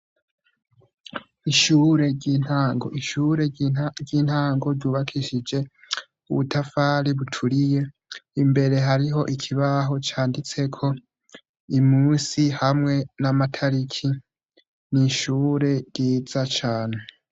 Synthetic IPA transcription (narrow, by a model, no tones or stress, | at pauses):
iʃuːɾe̞ɟinaːŋɡo̞̰ʔiʃuːɾe̞ɟiːn̥haːŋɡo̞ɾɟuːβakʰiʃid͡ʒe̞ | uβutʰafaːɾiβutʰuɾije̞ | imbe̞ɾe̞ɦaɾiɦo̞ʔikʰiβaɦo̞t͡ʃaːndit͡se̞kʰo̞ | imuːsihamŋe̞namatʰaɾikʰi | niʃuːɾe̞ɾjiːzat͡ʃaːne̞